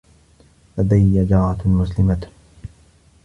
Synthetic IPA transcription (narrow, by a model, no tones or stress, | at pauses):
ʔad̪ajːad͡ʒaːʕat̪lmʊslɪmat̪